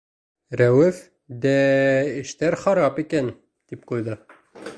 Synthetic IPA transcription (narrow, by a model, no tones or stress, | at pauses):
ɾæwɘf | d̪æɘ̆ʃt̪æɾχɑɾɑpikæn | t̪ip̚qujðɤ